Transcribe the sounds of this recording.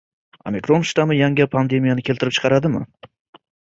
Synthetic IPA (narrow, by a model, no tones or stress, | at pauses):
omʲekɾonʃt̪amɪjaŋʲapʰand̪e̞mijanɪkʲʰe̞lt̪ʰɪɾɪp̚t͡ʃʰqʰɑɾad̪ɪmɪ̰